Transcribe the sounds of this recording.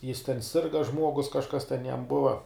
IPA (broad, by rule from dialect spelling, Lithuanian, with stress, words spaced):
jɪs tʲɛn ˈsʲɪrɡɐ ˈʒmuɔɡʊs kɐʃˈkɐs tʲɛn jɛm ˈbʊʋɐ